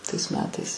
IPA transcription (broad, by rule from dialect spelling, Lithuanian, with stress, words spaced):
tɐɪs ˈmʲæːtɐɪs